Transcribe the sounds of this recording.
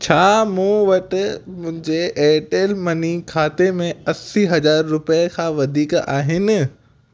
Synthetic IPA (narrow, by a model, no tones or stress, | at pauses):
t͡ɕʰaːmũːʋɐʈ̪mʊ̃ɦɪ̃ɲd͡ʑeeːʈeːlmɐnikʰaːt̪emẽɐsiɦɐzaːɾːʊpekʰãʋɐd̪ʱiːka̰ːɦɪnɪ̆